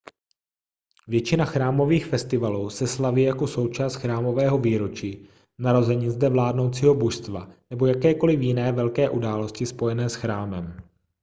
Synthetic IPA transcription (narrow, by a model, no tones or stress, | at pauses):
vjɛt͡ʃɪnaxɾaːmo̞viːxfɛst̪ɪvaluːsɛslaviːjako̞so̞wt͡ʃaːst̪xɾaːmo̞vɛːɦo̞viːɾo̞t͡ʃiː | naɾo̞zɛɲizdɛvlaːdno̞wt͡siːɦo̞boʃst̪va̰nɛbo̞jakɛːko̞lɪfjɪnɛːvɛlkɛːʔudaːloscɪspo̞jɛnɛːsxɾaːmɛm